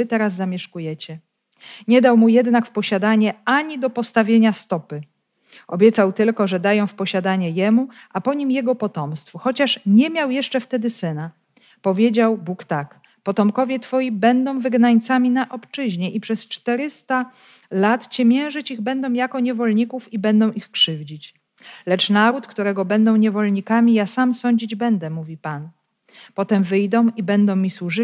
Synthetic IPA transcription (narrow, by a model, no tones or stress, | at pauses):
ɘt̪ɛɾaz̬ːamʲjɛʂkujɛt͡ɕɛ | ɲɛd̪awmujɛd̪nakfpɔɕad̪aɲɛaɲid̪ɔpɔst̪avʲjeɲast̪ɔpɘ | ɔbʲjɛt̪sawt̪ɘlkɔʐɛd̪ajɔ̃w̃fpɔɕad̪aɲɛjɛmu | ʔapɔɲimjɛɡɔpɔt̪ɔmst̪fuxɔt͡ɕaʂɲɛmʲjawjɛʂt͡ʂɛft̪ɛd̪ɘsɘna | pɔvʲjed͡ʑawbukt̪ak | pɔt̪ɔmkɔvʲjɛt̪fɔjibɛnd̪ɔ̃w̃vɘɡnaɲt̪samʲinaʔɔpt͡ʂɘʑɲɛʔipʂɛst͡ʂt̪ɛɾɘst̪a | lat̪t͡ɕɛmʲjɛ̃w̃ʐɘt͡ɕiɣbɛnd̪ɔ̃w̃jakɔɲɛvɔlɲikufibɛnd̪ɔ̃w̃ʔixkʂɘvd͡ʑit͡ɕ | lɛt͡ʂnaɾut̪kt̪uɾɛɡɔbɛnd̪ɔ̃w̃ɲɛvɔlɲikamʲijasamsɔɲd͡ʑid͡ʑbɛnd̪ɛmuvʲipan | pɔt̪ɛmvɘjd̪ɔ̃w̃ibɛnd̪ɔ̃w̃mʲiswuʐɘ